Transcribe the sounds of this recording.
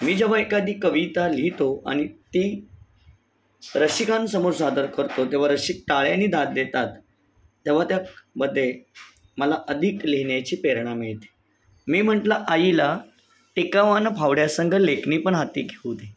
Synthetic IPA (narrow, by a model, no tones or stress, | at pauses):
miːd͡ʑəʋ̤aekad̪iːkəʋit̪alit̪oa̰ɽ̃it̪iː | ɾəɕikansəmoɾsad̪əɾkəɾt̪ot̪eʋ̤aɾəɕik̚ʈaɭjaniːd̪at̪̚d̪et̪at̪ː | eʋ̤at̪jabəd̪ʱle | məlaʔəd̪ʱikliɳjat͡ɕiːpeɾɳameɭt̪e̥ | miːm̤əʈlaʔajila | ʈekaʋanpʰaʋɽjasəŋɡʱəlekniːpəɳɦat̪iːɡʱeud̪e